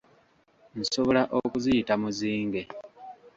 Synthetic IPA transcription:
n̩so̞βo̞laʔokuzijitamuziːŋɡe̞

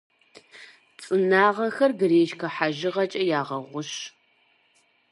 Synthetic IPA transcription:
t͡sʼɨnaːʁɐxɐrɡɨreːʃkʰɐħaʒɪʁɐt͡ʃʼɐjaːʁɐʁʷʊɕ

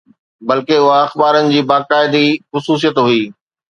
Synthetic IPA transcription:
bɐlkeʊɦaɐxbaːɾənɪ̆d͡ʑiːbaːkaːɪd̪ixʊsuːs̬ijət̪ɦʊiː

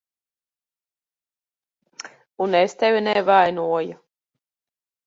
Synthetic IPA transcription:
unest̪evʲinɛvajnuɔju

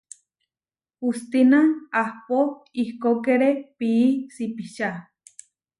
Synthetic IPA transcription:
hust̪inaŋahpoihkokeɾepiːsipiʃa

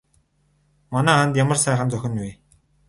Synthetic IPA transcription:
manæːχant̪jamə̆rsæːχə̆nt͡sœxʲɪ̆nwiː

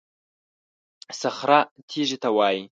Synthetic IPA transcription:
sɨχɾatʰiːʒɪtʰawaːji

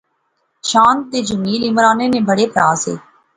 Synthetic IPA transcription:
ʃãːnt̪̚d̪eːd͡ʒəmiːlɪmɾaːnẽːnẽbəɽeːpɾaːzḛː

